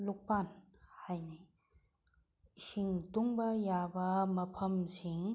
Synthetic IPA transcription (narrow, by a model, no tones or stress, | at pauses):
luk̚pan | hajni | isiŋtuŋbɐjabɐmɐpʰɐmsiŋ